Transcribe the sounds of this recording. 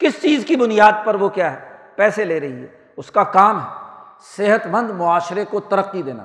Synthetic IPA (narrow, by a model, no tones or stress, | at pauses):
kɪst͡ʃiːzkibʊnɪjaːd̪̚pɐɾʋokjaːɦɛ | pɛːseleːɾɐɦiɦɛ̰ː | ʊskakaːmɦɛːseɦət̪mə̃nd̪mʊaːʃɾekot̪ɐɾəq̚t̪id̪eːna̰ː